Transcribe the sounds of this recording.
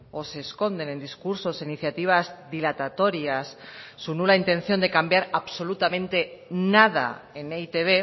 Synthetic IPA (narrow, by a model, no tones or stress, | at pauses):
o̞se̞ːsko̞nd̪e̞nẽ̞nd̪iskuɾso̞siniθjat̪iβ̞azðilat̪at̪o̞ɾjasːunulaint̪e̞nθjo̞nd̪e̞kambjaɾaβso̞lut̪amẽ̞nt̪e̞nað̞a̰e̞neit̪eβ̞e̞